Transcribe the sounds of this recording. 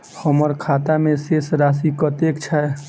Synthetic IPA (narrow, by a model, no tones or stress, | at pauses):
həməɾkʰat̪amesesɾasikət̪ekt͡ʃʰae